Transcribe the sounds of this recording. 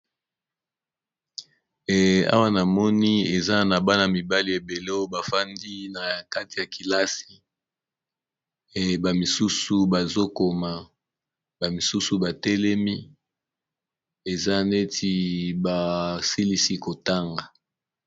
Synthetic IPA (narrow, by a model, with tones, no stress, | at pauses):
a̰˦wa˦na˨mɔ˦ni˦e˨za˦na˨ba˦na˨mi˨ba˦li˨e˨be˨lo˦ba˨fa˦ndi˦na˨ka˦ti˨ja˨ki˨la˦si̥˨ | ba˨mi˨su˦su˨ba˨zo˦ko˨ma˨ | ba˨mi˨su˦su˨ba˨tɛ˦lɛ˦mi˦ | e˨za˦ne˦tʰi˦ba˨si˦li˦si˦ko˨ta˦ŋɡa˨